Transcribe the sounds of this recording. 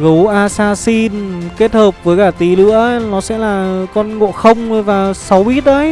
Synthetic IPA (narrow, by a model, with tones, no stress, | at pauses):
ɣɨ˨˦wʔaː˧saː˧si˧nke˦˥t̚həː˨˩p̚vəː˨˦jkaː˧˩t̪i˨˩lɨ̰˧˥ənɔ˨˦sɛ̰˧˥laː˨˩kɔ˧nŋo̰˧˨xə˧wŋ͡mvaː˨˩sa˨˦wʔi˦˥t̚ʔə˨˦j